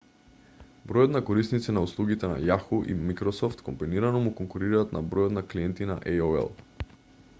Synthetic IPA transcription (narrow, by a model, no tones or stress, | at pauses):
bɾɔjɔd̪nakɔɾisnit̪sɛnauslˠuɡʲit̪ɛna̰jaxuʔḭmikɾɔsɔft̪kɔmbiniɾanɔmukɔŋkuɾiɾaːt̪na̰bɾɔjɔd̪nakliɛnt̪ina̰ʔɛjoɛ̰lˠ